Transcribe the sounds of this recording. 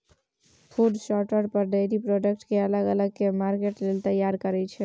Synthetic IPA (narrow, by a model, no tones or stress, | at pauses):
pʰuɖsɔʈwəɾpəɾɖejɾipɾoɖək̚ʈkeələɡələɡkemaɾkeʈlelt̪əjaɾkəɾɛt͡ʃʰɛ